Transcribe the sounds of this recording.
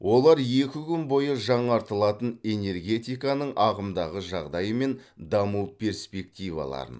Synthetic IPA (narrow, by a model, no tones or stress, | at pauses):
wʔo̞lˠɑɾje̞kʲɪkʲʏnbo̞jəʒɑɴɑɾt̪əlˠɑt̪əne̞ne̞rɡʲe̞t̪ijkɑnəɴʔɑʁəmd̪ɑʁəʒɑʁd̪ɑjəme̞nd̪ɑmuwpʲʰe̞ɾspe̞k̚t̪ijvɑ̰lˠɑ̰ɾə̰n